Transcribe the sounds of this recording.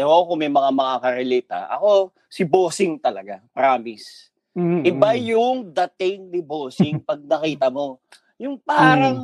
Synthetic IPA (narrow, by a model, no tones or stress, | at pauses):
ɛookomɛjmɐŋamɐŋakɐɾɛlɛːt̪ɐ̰ʔɐ̰ko̞ | sɪboːsɪŋt̪ɐlɐɡapɾaːmɪs | ʔɪbajʊŋd̪ɐt̪ɪŋnɪboːsɪŋpɐɡ̚nɐkiːt̪ɐmo̞ | jʊŋpaːɾɐŋ